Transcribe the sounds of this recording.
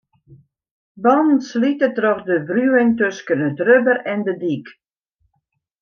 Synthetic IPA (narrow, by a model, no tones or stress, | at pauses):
bɑnn̩slitətrɔχdəbryɪŋtøskənətrøbəɾɛndədik